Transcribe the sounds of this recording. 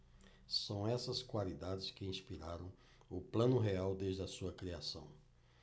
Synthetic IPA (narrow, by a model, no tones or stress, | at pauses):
sɐ̃w̃ɛsɐskwalid̪ad͡ʒɪskɪĩspiɾaɾɐ̃w̃ | ʊplɐ̃nʊɦeawd̪eʒdɪɐsuɐkɾiasɐ̃w̃